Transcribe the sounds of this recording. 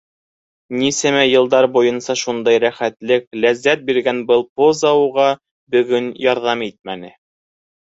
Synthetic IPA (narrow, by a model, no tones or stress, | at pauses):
nisæmæjɤ̆lˠd̪ɑɾbujɤ̆nsɑʃund̪ɑjɾæχæt̪lɘk̚læzːæt̪̚biɾɡænbɤlˠpozɑuʁɑ | bɵ̆ɡɵnjɑɾðɑmit̪̚mænɘ